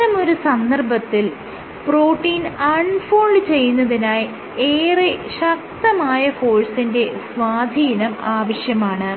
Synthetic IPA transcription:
ɐmo̞ɾusɐnd̪ɐrbɐt̪ːil | pro̞ːʈːiːnɐɳfoːɭɖt͡ɕe̞jːunːɐðinaːj | eːreɕɐk̚t̪ɐmaːjɐfo̞ːɻsinde̞sʋaːd̪ʱiːnɐmaːʋɐɕjɐmaːɳɨ

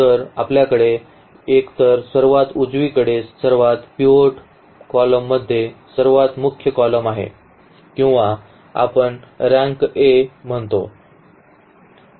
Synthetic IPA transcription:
t̪əɾapljakəɽe | ekt̪əɾsəɾʋat̪ud͡zʋikəɽessəɾʋat̪pioʈ | kɔləmːəd̪ʱːjesəɾʋat̪mukʰjəkɔləmaɦḛ | kĩw̃ʋa | a̰pəɳɾãŋkem̤əɳt̪o

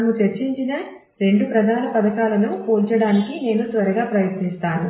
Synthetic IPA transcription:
mut͡ʃɐɾt͡ʃiɲt͡ʃinɐ | ɾe̞ɳɖupɾɐd̪ʱaːnɐpɐd̪ɐkaːlɐnupoːlt͡ʃɐɽaːnikine̞ːnut̪ʋɐɾɐɡaːpɾɐjɐt̪nist̪aːnu

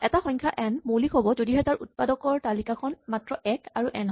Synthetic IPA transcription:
ɛtaxɔjŋkʰaʔɛnmolixʰobɔzodiɦɛtaɹṵt̚padɔkɔɹtalikakʰɔnmatɹɔɛkaɹuʔɛnɦ

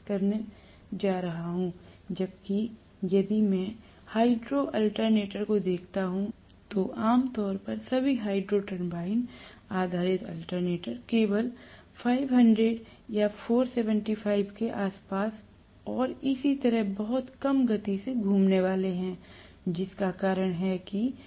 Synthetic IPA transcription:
kɐɾn | d͡ʒaːɾɐɦaɦũːd͡ʒɐb̚ki | jɐd̪imɛ̃ | haːɪɖɾoʔɐlʈəɾneːʈəɾkod̪eːkʰt̪aɦũ | t̪oʔaːmt̪ɔːɾpɐɾsɐbʱiɦaːɪɖɾoʈə̃mbaːɪnaːd̪ʱaːɾɪt̪ə̰lʈəɾneːʈəɾkeːʋəl | fʰaːɪʋɦɐ̃ɳɖɾeɖjafʰoːɾseːʋə̃ɳʈifʰaːɪbkeʔaːspaːs | ɔːɾɪsit̪ɐɾəɦbɐɦʊt̪kɐmɡɐt̪iseɡʱuːmneʋaːleɦɛ̃ː | d͡ʒɪskakaːɾəɽ̃ɦɛki

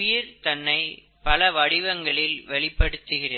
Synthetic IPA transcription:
jɪɾt̪ɐnːɐɪ | pɐlɐʋɐɽɪʋɐŋɡɐɭɪlʋɛɭɪpːɐɽɯt̪ːɯɣɪrɐ

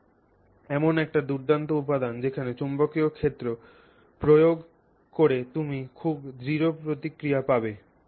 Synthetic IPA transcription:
ɛmonɛk̚ʈad̪uɾd̪ant̪oupad̪and͡ʑekʰanet͡ɕombokiokʰet̪ːɾo | pɾojoɡ | koɾet̪umikʰubd̪ɾiɾopɾot̪ikɾijapabe

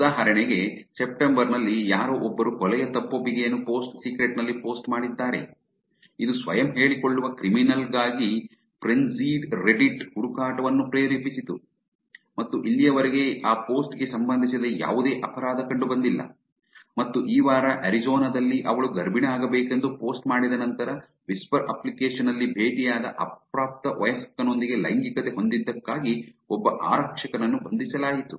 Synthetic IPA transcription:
ud̪aːɦɐɾɐɳeɡe̞sep̚ʈembɐɾnɐlːijaːɾoʔɔbːɐɾukɔlɛjɐt̪ɐpːɐbiɡejɐnːupo̞ːsʈsiːkɾeʈnɐlːipo̞ːsʈmaːɽid̪ːaːɾe̞̰ | id̪usʋɐ̰jɐmɦe̞ːɭikoɭːuʋɐkɾiminɐlɡaːɡi | pʰɾensiːɖɾe̞ɖiʈhuɽukaːʈɐʋɐnːupɾeːɾipisit̪u | mɐt̪ːuʔilːijɐʋɐɾeɡe̞aːpo̞ːsʈɡe̞sɐmbɐnd̪ʱis̬ɐd̪eja̰ːʋud̪e̞ːʔɐpɐɾaːd̪ɐkɐɳɖubɐnd̪ilːɐ̰ | mɐt̪ːuʔiːʋaːɾɐʔɐɾid͡ʒoːnɐd̪ɐlːiʔɐ̰ʋɐɭuɡɐɾbiɳɐaːɡɐbeːkend̪upo̞ːsʈmaːɽid̪ɐnɐnt̪ɐɾɐ | ʋispɐɾɐplikeːʂɐnɐlːibʱeːʈijaːd̪ɐʔɐ̰p̚ɾaːp̚t̪ɐʋɐjɐsɐ̥kːɐno̞nd̪iɡe̞lɐ̰jŋɡikɐt̪eɦo̞nd̪id̪ːɐkːaːɡiɔbːɐʔa̰ːɾɐkʂɐkɐnɐnːubɐnd̪isɐlaːjit̪u

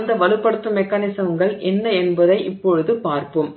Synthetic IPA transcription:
nd̪ɐʋɐlɯpːɐɽɯt̪ːɯmːɛkːaːnɪsɐʋɯŋɡɐɭʔɛnːɐɛnbɐðɐɪʔɪpːɔɻɯðɯpaːɾpɯm

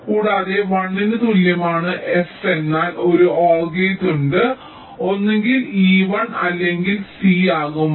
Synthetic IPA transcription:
kuːɽaːðeʋɐɳːindɨt̪ulːjɐmaːɳɨʔe̞se̞nːaːlo̞ɾuoːɭɡejtuɳɖɨ | o̞nːeŋɡiliːʋɐɳɐlːe̞ŋɡilsiːaːɣum

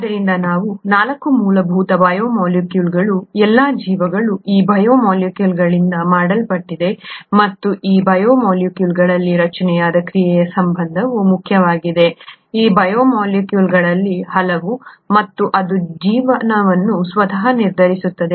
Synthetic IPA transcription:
ɐd̪ɐɾind̪ɐnaːʋunaːlɐkːumuːlɐbʱuːt̪ɐbɐjoːmoːljukjuːlɡɐɭuɛlːaːd͡ʒiːʋɐɡɐɭuiːbʱɐjoːmaːljukjuːlɡɐɭind̪ɐmaːɽɐlpɐʈːid̪e̞mɐt̪ːuʔiːbɐjoːmoːljukjuːlɡɐɭɐlːiɾɐt͡ʃɐnɛjaːd̪ɐkɾijɛjɐsɐmbʱɐnd̪ʱɐʋumukʰjɐʋaːɡid̪e̞iːbɐjoːmaːljikjuːlɡɐɭɐlːihɐlɐʋumɐt̪ːuʔɐd̪ud͡ʒiːʋɐnɐʋɐnːusʋɐd̪ʱɐɦɐniɾd̪ʱɐɾisut̪ːɐd̪e̞

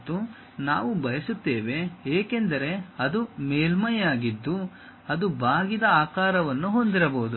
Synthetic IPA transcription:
t̪ːu | naːʋubɐjɐsut̪ːeːʋe̞eːkend̪ɐɾe̞ɐd̪umeːlmɐjaːɡid̪ːu | ɐd̪ubaːɡid̪ɐaːkaːɾɐʋɐnːuɦo̞nd̪iɾɐbɐːud̪u

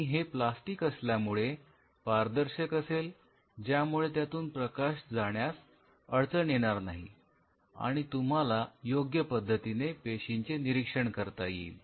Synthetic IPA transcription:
iɦeplasʈiːkəsljamuɭe | paɾd̪əɾɕəkəsel | d͡ʑjamuɭet̪jat̪uːnpɾəkaɕd͡zaɽjas | əɭt͡səɳjeɽ̃aɾnaɦi | a̰ɽ̃it̪um̤alajoɡjəpəd̪ʱːət̪inepeɕiɲt͡seniɾikʂəɳkəɾt̪ajḭ

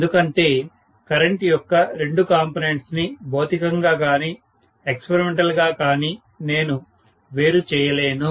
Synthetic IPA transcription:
d̪ukɐɳʈe̞ː | kɐɾɐɳʈijɔkːɐɾe̞ɳɖukaːmponeɳʈsnibo̞ːt̪ikɐŋɡaːkaːni | ekspɐɾimeɳʈɐlɡaːkaːni | ne̞ːnu | ʋe̞ːɾut͡ʃɛːjɐle̞ːnu

